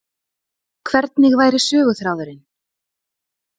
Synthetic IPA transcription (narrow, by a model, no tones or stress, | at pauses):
kʰvɛɾt̪nɪɣvaːjɾɪ̥sœːɣʏθɾaːwðʏɾɪn